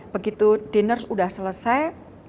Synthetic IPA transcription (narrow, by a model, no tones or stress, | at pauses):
b̥əɡit̪ud̥enərsudahsələsaj